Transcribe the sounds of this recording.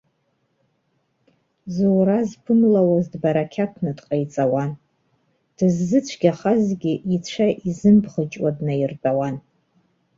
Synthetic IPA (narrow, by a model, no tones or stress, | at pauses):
zuɾazpʰɨmlawazdbaɾakʲʰakʷʰnɨdqʼajt͡sʼawan | d̥ɨzːɨt͡ɕʷʰɡʲaχazɡʲiʔit͡ɕʷʰaʔizɨmbχət͡ʃʼwadnajrbʼawan